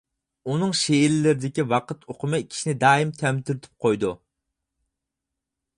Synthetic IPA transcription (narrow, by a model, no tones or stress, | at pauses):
unɨŋʃeilɪlɪɾɪd̪ɪkʲiwɑqʰət̪ʰoqʰʊmɨkʲʰi̥ʃinɪd̪ɑːimt̪ʰɛmt̪ʰɪɾt̪ʰɪ̥p̚qʰojd̪u